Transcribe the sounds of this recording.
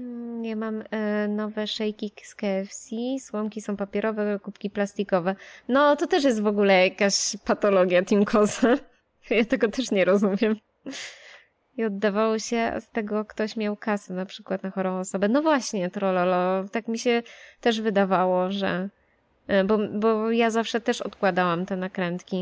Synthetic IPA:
jamamnɔvɛʂɛjkʲikskɛfsʲiswɔmkʲisɔ̃w̃papʲjɛɾɔvɛkupkʲiplast̪ikɔvɛnɔt̪ɔt̪ɛʂ̬jɛst̪vɔɡulɛjakaɕpat̪ɔlɔɡʲjat̪imkʰɔza | jat̪ɛɡɔt̪ɛʂɲɛɾɔzumʲjɛm | iɔd̪ːavawɔɕɛ̰st̪ɛɡɔkt̪ɔɕmʲjawkasɛnapʂɘkwat̪̚naxɔɾɔ̃w̃ɔsɔbɛnɔvwaɕɲɛt̪ɾɔlɔlɔt̪akmʲiɕɛt̪ɛʐvɘd̪avawɔʐɛ̰ | bɔbɔjazafʂɛt̪ɛʂɔ̰t̪kwad̪awamt̪ɛnakɾɛnt̪kʲi

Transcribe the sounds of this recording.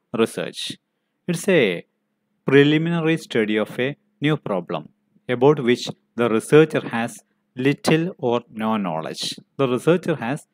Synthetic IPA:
ɾisə̰ːt͡ʃ | ɪʈse | pɾiliminɐɾisʈʰɐɖiɔfe | njuːpɾɔːblɐ̰̃m | ebaʊʈʋɪt͡ʃ | d̪ɐɾisəːt͡ʃɐɾhæs | lɪʈʰɨlɔːɾnoːnɔ̰ːlḛd͡ʒd̪əɾisəːt͡ʃɐɾhæs

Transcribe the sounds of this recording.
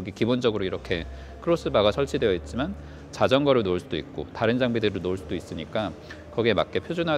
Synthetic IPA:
ʌɡikibond͡ʑʌɡɯɾoiɾʌkʰe̞ | kʰɯɾos͈ɯbaɡasʰʌɭt͡ɕʰidwejʌit̚t͡ɕ͈iman | t͡ɕad͡ʑʌŋɡʌɾɯɭnoɭs͈udoḭk̚k͈otaɾɯnd͡ʑaŋbidɯɾɯɭnoɭs͈udois͈ɯɲik͈a | kʌɡiema̰k̚k͈e̞pʰjod͡ʑunɦa

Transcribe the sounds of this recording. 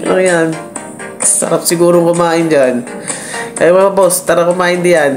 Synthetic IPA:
ʔo̰ŋjan | sɐ̰ɾap̚sɪɡuːɾoŋkʊmaːʔɪnd͡ʒan | kɐjmɐŋɐbost̪aɾakʊmaːʔɪnd̪ɪjan

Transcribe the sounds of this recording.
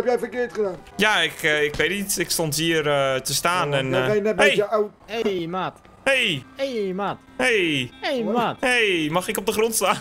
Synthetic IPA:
ɛpjɛjfəkɪətχədaːnjaɪkəɪkʋeːtitɪkstɔnt̬iərətəstaːnɛnejnɛt̚eɛjəaw | emaːt | hejejmaːt | hejejmatejmaxɪkɔp̚dəxrɔntstaːn

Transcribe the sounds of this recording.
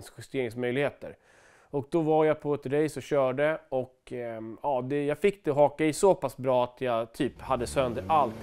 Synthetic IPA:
ŋsɧɪst̪eːɾɪŋsmœjlɪɡheːt̪ə̰ɾ | ɔk̚d̪ɔvaɾjapʰɔɛt̪ɾɛjsɔɕœːɖəɔk | ɑːd̪ɛjɑːɡfɪkːd̪̥ɛɦɑːkaɪsoːpasbɾɑːat̪ʰjɑt̪ʰyːphad̪ːəsœnd̪əɾʔalt̪

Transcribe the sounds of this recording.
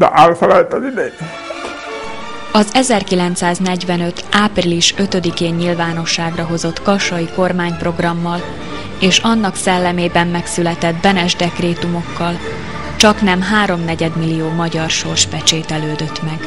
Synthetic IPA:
d̪ɛ̰ʔalfɛlɛlt̪ɛzid̪e | ɒzɛzɛrkilɛnt̪saːznɛɟvɛnø̞t̪ʔaːpriliʃø̞t̪ø̞d̪ikeːɲːilvaːn̪o̞ʃːaːɡrɒɦo̞zo̞t̪kɒʃɒjiko̞rmaːɲpro̞ɡrɒmːɒl | eːʃɒnːɒksɛlːɛmeːbɛmːɛksylɛt̪ɛd̪bɛnɛʒd̪ɛkreːt̪umo̞kːɒl | t͡ʃɒknɛmɦaːɾo̞mnɛɟɛd̪milːijoːmɒɟɒrʃo̞rʃpɛt͡ʃeːt̪ɛløːd̪ø̞t̪mɛɡ̥

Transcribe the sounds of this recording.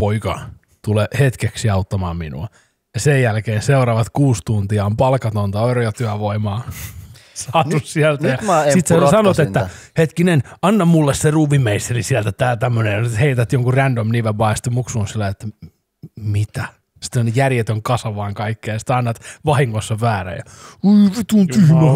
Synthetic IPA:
poikɑ̰ | t̪ulehet̪keksiɑut̪ːɑmɑːmmḭnṵɑ | jɑsejjælkeːnseuɾɑʋɑt̪kuːst̪unt̪iɑompɑlkɑt̪ont̪ɑoerojɑt̪yæʋoimɑː | sɑːt̪ussiælt̪æjɑsit̪ssɑnot̪et̪ːæ | het̪kinenɑnːɑmulːesseruːʋimːeist̪erisiælt̪æt̪æːt̪æmːønejjɑnyt̪heit̪æt̪joŋkurændomniʋebɑiɑsit̪emuksuːnsilːɑjet̪ːæ | mit̪æ | si̥t̪ːonejærjet̪øŋkɑsɑʋɑːŋkɑikːeːjɑsi̥t̪ɑnːɑt̪ʋɑhiŋːosːɑʋæːræ̰jɑ̰iiʋit̪unt̪yhmæ

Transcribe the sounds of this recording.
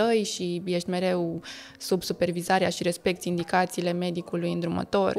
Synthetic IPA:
əjʃije̞ʃt̪ʲme̞ɾe̞w | subsupe̞rvizaɾeaʃiɾe̞spe̞k̚t̪sʲind̪ikat̪siːle̞me̞d̪ikulujɨnd̪ɾumə̰t̪o̞r

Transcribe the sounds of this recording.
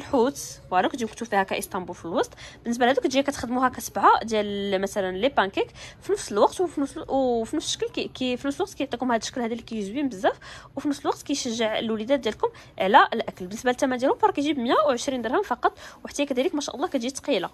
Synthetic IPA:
əlħut̪wæɾˤɑkd̪ʒiwkt̪ufihækæʔəst̪ɑmbulfilwɑsˤt̪ˤb̥ənːəs̬bælhæd̪ukt̪ʒijækæt̪xəd̪muhækæsəbʕad̪jæləmæt̪ælənlepænkikfinəfsəlwɑqt̪wfnəwfinəfsə̥ʃːəkælkfinəfsəlwɑq̚t̪̚kæjʕt̪ækʊmhæd̪əʃːə̥klhæd̪ælːikæjuzwimbəzːæfwfinəfsəlwɑq̚t̪kæjʃəʒːəʕə̰lwləd̪æt̪d̪jælkʊm | ʕlæʔəlʔækəlbənːəsbælt̪ːæmænd̪jælhʊmfɑɾˤɑkæjʒibəmjæwʕəʃɾind̪əɾhəmfɑqɑt̪ˤwħt̪æjækæd̪ælikmæʃæ̰ʔlˤːɑkæt̪ʒit̪qila

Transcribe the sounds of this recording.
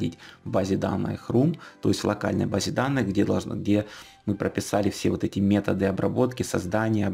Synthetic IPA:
dʲitʲvbazʲɪd̪a̰nːɨ̰jəxrumt̪o̞̰ɪsʲt̪ʲvlˠɐka̰lʲnə̰jbazʲɪd̪anːɨɣɡdʲed̪ɐʐɡdʲe̞ | mɨpɾəpʲɪsalʲɪfsʲe̞vo̞t̪ɛtʲɪmʲe̞t̪əd̪ɨɐbɾɐ̰bo̞t̪kʲɪsɐzd̪anʲɪjə

